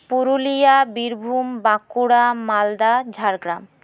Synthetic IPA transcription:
puɾulijabiɾbʱumbakuɽamald̪ad͡ʑʱaɾɡɾam

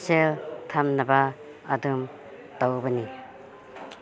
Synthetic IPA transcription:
seltʰamnɐbaː | dum | tawbɐni

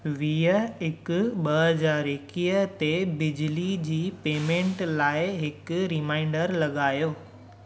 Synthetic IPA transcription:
ʋiːəɦɪkʊ̆ɓɐɦɐzaːɾɦɪkiːət̪ebɪd͡ʑlid͡ʑiːpeːmẽːɳʈlaːɪɦɪkʊɾɪmãːɪ̃ɳɖəɾlɐɠaːjoː

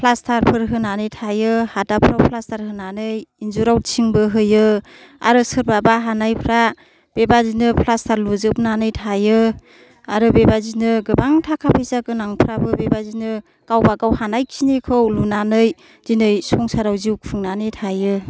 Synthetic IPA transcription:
pʰlastʰaɾpʰɯɾɦɯnanɯjtʰajɯhadapʰɾawpʰlastʰaɾhɯnanɯjinzuɾawt͡ʃʰiŋbɯɦɯjɯ | a̰ɾɯsɯɾbabaɦanajpʰɾa | b̥ebazinɯpʰlastʰaɾluzɯbnanɯjtʰajɯ | aɾɯbebazinɯɡɯbaŋtʰakʰapʰejzaɡɯnaŋpʰɾabɯbebazinɯ | kawbaɡawhanajkʰinikʰɯwlunanɯj | z̥inɯjsɔŋsaɾawziwkpʰɯŋnanɯjtʰajɯ

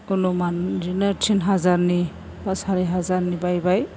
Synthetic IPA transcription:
kunumanzinatʰinɦazaɾni | b̥asaɾiɦazaɾnibajbaj

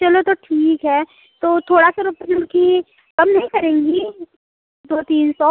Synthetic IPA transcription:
t͡ʃɐlot̪oʈʰiːkɦɛː | t̪oːt̪ʰoːɽasaɾʊpəd͡ʒʊlki | kɐmnɐɦĩkɐɾẽːŋɡi | d̪oːt̪iːnsɔː

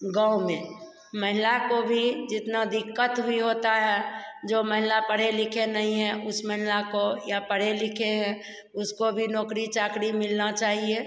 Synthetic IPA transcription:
ɡãumẽ | məɦɪlakobʱid͡ʒɪt̪nad̪ɪkːət̪ɦʊiɦoːt̪aɦɛd͡ʒoːməɦɪlapəɽelɪkʰenəɦĩɦɛ̃ʔʊsməɦɪlakojapəɽ̤elɪkʰeɦɛ̃ | ʊskobʱinɔːkɾit͡ʃaːkɽimɪlnat͡ʃaːɦie

